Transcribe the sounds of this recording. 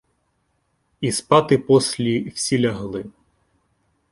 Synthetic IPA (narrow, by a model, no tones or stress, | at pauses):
ispɑt̪ɪpɔsʲlʲiwsʲilʲɐɦlˠɪ